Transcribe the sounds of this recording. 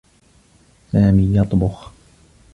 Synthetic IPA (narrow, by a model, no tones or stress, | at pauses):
saːmiːjɑt̪ˤbʊx